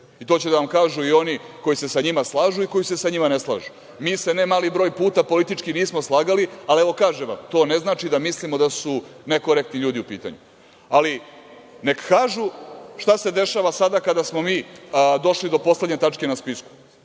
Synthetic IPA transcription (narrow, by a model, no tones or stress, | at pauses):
it̪o̞ːt͡ɕed̪aʋamkaːʒuio̞niko̞jise̞saɲimaslˠaːʒuiko̞jise̞saɲimane̞slˠa̰ːʒu | miːse̞nemaːlibɾo̞ːjpuːt̪apo̞lit̪it͡ʃkiniːsmo̞slˠaːɡalialieʋo̞kaːʒeʋa̰mt̪o̞ːne̞znaːt͡ʃid̪amislimod̪asune̞koɾek̚t̪niʎuːd̪iupḭːt̪a̰ɲṵ | ali | ne̞kkaːʒuʃt̪ase̞d̪e̞ʃaʋasad̪akad̪asmo̞miːd̪o̞ʃlid̪o̞po̞sle̞d̪ɲe̞t̪at͡ʃke̞naspisku̥